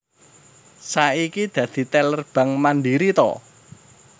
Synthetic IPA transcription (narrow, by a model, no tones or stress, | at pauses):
saikid̪̥ä̤d̪̥i̤t̪ɛlərb̥ä̤ŋmanɖiɾit̪ɔ̰